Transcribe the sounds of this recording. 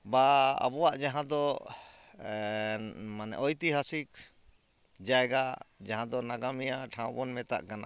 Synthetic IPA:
baa̰bɔwaʔd͡ʒaɦãd̪ɔ | manɛ̰ʔɔjt̪iɦasik̚ | d͡ʒajɡad͡ʒaɦãd̪ɔnaɡamɛjaʈʰãw̃bɔnmɛt̪a̰ʔkana̰

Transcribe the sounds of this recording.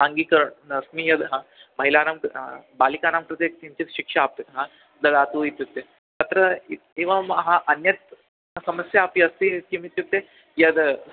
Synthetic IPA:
aŋɡiːkɐɾəɳɐsmiːjɐd̪ɦãmɐɦilaːnamkbaːlikaːnaːmkɾɨt̪et̪imt͡ɕit̪ʃikʂaːpit̪ɦã | d̪ɐd̪aːt̪uit̪jut̪ːe | tɐt̪ɾɐieʋɐmɦãʔɐnjɐt̪̚ | sɐməsjaːpiɐst̪it̪kimit̪jut̪ːe | jɐd̪

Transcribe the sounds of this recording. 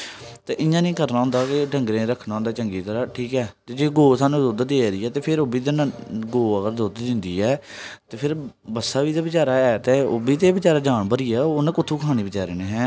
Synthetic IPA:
t̪eːʔɪjãːnĩːkəɾnaːɦʊ̃nd̪aːkɪɖəŋɡɾẽːɾəkʰːnãːʊ̃nd̪aːt͡ʃəŋɡiːt̪əɾaːʈʰiːkɛːt̪eːd͡ʒeːɡoːsaːnũːd̪od̪d̪eːɾiːɛːt̪eːpʰɪɾobiːd̪enɡoːəɡəɾd̪od̪d̪ɪ̃nd̪ḭːɛːt̪eːpʰɪɾ | bəsːaːʋiːd̪aːbɪt͡ʃaːɾaːɛːt̪eːobiːt̪eːbɪt͡ʃaːɾaːd͡ʒaːɳbəɾiːɛːoːñːkʊt̪ʰːuːkʰaːñiːbɪt͡ʃaːɾeːneːɦɛ̃ː

